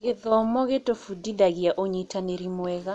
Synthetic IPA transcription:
ɣeðɔmɔɣetofudidaɣjaʔoɲitaneɾimwɛɣa

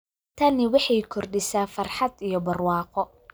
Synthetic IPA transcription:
t̪ʰɐnɪwɑħɑjkʰɔrɖɪsaːfɐrħɑd̪ijɔbɐrwɑːqɔ

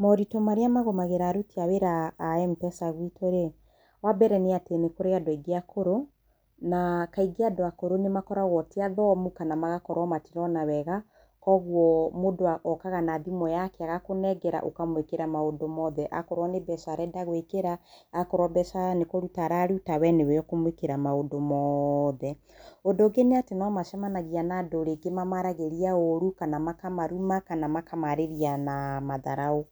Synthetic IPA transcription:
mɔɾitomaɾeamaɣomaɣeɾaɾutiaweɾaːɛmpɛsaɣwitʰoɾe | wabɛɾɛneatenekoɾeadwiɡeakoɾo | nakaiɡeadoakoɾonemakɔɾaɣwɔtiaðɔmukanamaɣakɔɾwɔmatiɾɔnawɛɣa | kɔɣwɔmodoaʔɔkaɣanaðimɔjakɛaɣakonɛɡɛɾa̰ʔo̰kamwekeɾamaodomɔðɛʔa̰kɔɾwɔnebɛsaɾɛdaɣwekeɾaːkɔɾwɔbɛsaɾanekɔɾutaɾaɾutawɛneweɔkomwekeɾamaodomɔðɛ | odoɡeneatenɔmaʃɛmanaɣianadoɾeɡemamaɾaɣeɾiaoɾukanamakamaɾumakanamakamaɾeɾianamaðaɾao

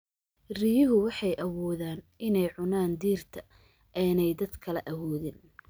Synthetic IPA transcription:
rijɪɦʊwɑħɑjʔɐwɔːðaːnʔɪnɛjʕʊnaːnd̪iːrt̪ʰɐ | ʔɛːnɛjd̪ɐd̪kʰɐlɛʔɐwɔːðɪn

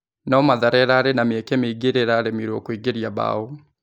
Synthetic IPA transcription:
naɔmaðaɾɛɾaːɾenamɛkemeiɡeɾeɾaɾemiɾɔkwiɡeɾiaba̰o

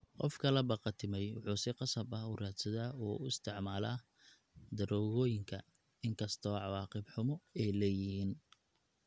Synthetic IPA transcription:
qɔ̰fkʰɐlɛbɑqɑt̪ʰɪmɛjwʊħuːsɪqɑsɐbɐɦʊraːd̪sɐðɐuːʊɪst̪ʰɪʕmaːlaː | d̪ɐɾɔːɣɔːjɪŋkʰɐ | ɪŋkʰɐst̪ʰɔʕɑwɑːqɪbħʊmɔɛːlɛjɪɦiːn

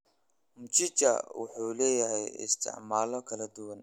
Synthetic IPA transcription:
mʊt͡ʃɪt͡ʃɐ̰wʊ̰ħuːlɛːjɐɦɛjɪ̰st̪ʰɪ̰ʕmaːlɔkʰɐlɐd̪ʊwɐn

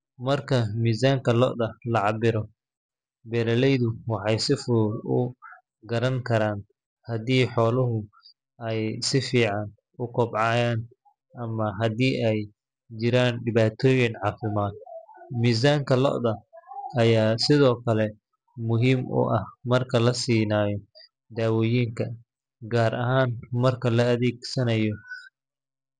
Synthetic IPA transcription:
mɐrkʰɐmiːsaːŋkʰɐlɔ̰ʔðɐlɐʕɑbɪɾɔ | bɛɾɐlɛjðʊwɑħɑjsɪfʊɾʊ | ɡɐɾɐŋkʰɐɾaːn | hɐðiːħɔːlɐɦʊ | ɛjsɪfiːʕɑn | ʊkʰɔbʕɑːjaːn | ʔɐmɐɦɐd̪iːʔɛj | t͡ʃɪɾaːnɖɪβaːt̪ʰɔːjɪnʕɑːfɪmaːd̪̚miːs̬aːŋkʰɐlɔ̰ʔðɐɐjaːsɪðɔːkʰɐlɛ | mʊɦiːmʔʊ̰ʔɐhmɐrkʰɐlɐsiːnaːjɔ | d̪aːwɔːjiːŋkʰɐ | ɡaːɾʔɐɦaːnmɐrkʰɐlɐːðiːɡsɐnɐjɔ

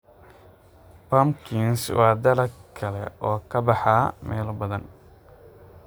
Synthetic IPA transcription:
pɐmkʰinswɑːd̪ɐlɐkʰɐlɛ̰ʔɔːkʰɐbɑħɑmɛːlbɐðɐn

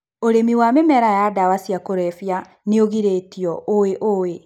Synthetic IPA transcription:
oɾemiwamemɛɾajadawasiakoɾɛfja | neoɣiɾeːtiɔʔoweʔowe

